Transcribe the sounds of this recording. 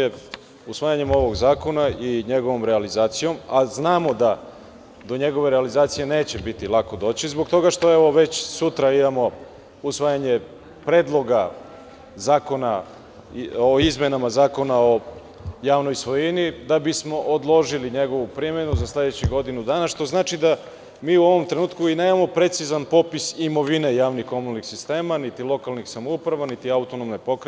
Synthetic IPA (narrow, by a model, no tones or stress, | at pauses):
e | usʋaːjaɲe̞mo̞ʋo̞ɡzaːko̞naiɲe̞ɡo̞ʋo̞mɾealizaːt̪sijo̞maznaːmo̞d̪a | d̪o̞ɲe̞ɡo̞ʋe̞ɾealizaːt̪sije̞ne̞ːt͡ɕebit̪ilˠako̞d̪o̞ːt͡ɕizbokt̪o̞ɡaʃt̪o̞e̞ʋo̞ʋe̞t͡ɕsut̪ɾaimamo̞ | usʋaːjaɲe̞ | pɾe̞d̪lˠo̞ɡa | zaːko̞na | oizmjenamazaːko̞nao̞ | jaːʋno̞jsʋo̞jenid̪abismo̞ʔod̪lˠo̞ʒiliɲe̞ɡo̞ʋupɾimenuzasle̞d̪et͡ɕiɡo̞d̪inud̪aːnaʃt̪o̞znaːt͡ʃid̪a | miːuo̞ʋo̞mt̪ɾenuːt̪kuine̞ːmamo̞pɾe̞t̪sizanpo̞pisimo̞ʋine̞jaːʋnixko̞munlnixsist̪e̞ːmanit̪ilˠo̞kalnixsamoupɾaʋanit̪iaut̪onomnepo̞kɾe